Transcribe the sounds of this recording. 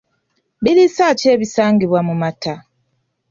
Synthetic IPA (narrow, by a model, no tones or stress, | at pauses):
bilisaːce̞ːβisaːŋɡiβwamumatʰa